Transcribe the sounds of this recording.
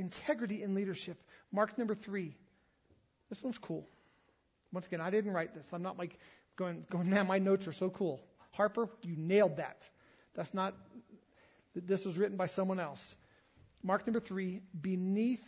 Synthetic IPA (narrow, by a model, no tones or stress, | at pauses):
ɨ̃ntʰɛɡɹɨɾiɨ̃nliɾə˞ʃɪpmɑɹknʌ̃mbə˞θɹi | ðɪswʌ̃nz̥kʰulˠ | wʌ̃nsəɡɛ̃naɪɾɪdⁿn̩ʔɹaɪt̪̚ðɪsãɪ̃mnəʔˡlaɪk | ɡ̥oʊɪ̃ŋɡ̥oʊɪ̃ŋnæmaɪnoʊtsə˞soʊkʰulˠ | hɑɹpə˞jɨneɪlˠd̪̚ðæ̰t̪̚ | ðætsnət̪̚ | ðɪswʌzɹɪʔn̩baɪsʌ̃mwʌ̃nɛlˠs | mɑɹk̚nʌ̃mbə˞θɹibɨniθ